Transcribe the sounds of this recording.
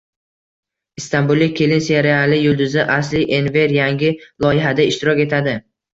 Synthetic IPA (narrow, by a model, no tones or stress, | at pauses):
ɪst̪anbulˠːɪkʲʰːe̞lɪnseɾealɪjʊlˠd̪ʊzɪʔas̬lɪʔenve̞ɾjaŋɡʲɪlˠɒjɪɦad̪aɪʃt̪ɪɾɒkʲe̞t̪ʰad̪ɪ